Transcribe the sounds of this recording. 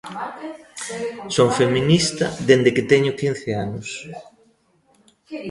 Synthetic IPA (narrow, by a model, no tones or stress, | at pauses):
soŋfeminist̪ɐ̰ðend̪eket̪ɛɲʊkin̟θeanʊs